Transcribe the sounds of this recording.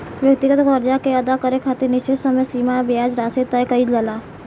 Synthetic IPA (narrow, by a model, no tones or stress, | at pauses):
ʋjək̚t̪ɪɡət̪kɔɾd͡ʒakeɐd̪akəɾekʰaːt̪eɾnɪt͡ʃesɐməjsiːmabɪaːd͡ʒɾaːset̪ajkɐid͡ʒəla